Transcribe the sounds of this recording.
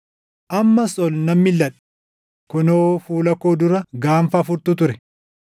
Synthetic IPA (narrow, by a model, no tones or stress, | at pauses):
ʔɐmːɐsɔlnɐmːɪlːɐᶑɛ̥ | kʊnoːfuːlɐkoːd̪ʊɾɐɡaːɱfɐːfʊɾt̪ʊt̪ʊɾɛ